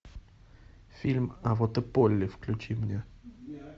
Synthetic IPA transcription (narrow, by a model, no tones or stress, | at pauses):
fʲilʲmɐvot̪ɨpolʲːɪfklʲʉt͡ɕimnʲe